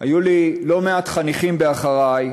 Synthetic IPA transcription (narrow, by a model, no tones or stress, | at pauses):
ajulilo̞meatχaniχimbe̞aχaʁaj